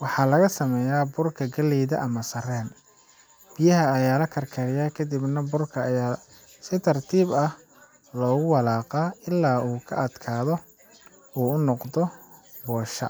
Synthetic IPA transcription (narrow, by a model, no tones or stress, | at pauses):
wɑħɑːlɐɣɐsɐmɛːjaːbʊrkʰɐɡɐlɛːðɐ̰ʔɐmɐsɐrɛːn | b̥ijɐɦɐːjaːlɐkʰɐrkʰɐɾɪjakʰɐd̪ibnɐbʊrkʰɐjaː | sɪt̪ʰɐrt̪ʰiːbɐh | lɔːɣʊwɑlaːqaɪlːaːuːkʰɐ̰ʔɐd̪kʰaːðɔ | uːʊnɔqd̪ɔ | bɔːʃɐ̰